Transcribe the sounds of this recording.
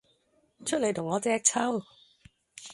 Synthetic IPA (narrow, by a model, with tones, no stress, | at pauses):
t͡ʃʰɵ˥le˨jt̪ʰʊ˨˩ŋːɔː˨˧t͡sɛː˧k̚t͡sʰɐ˥w